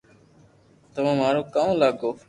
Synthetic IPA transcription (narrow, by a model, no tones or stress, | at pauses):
t̪əʋãːmaːɽoːkãːlaːɡoː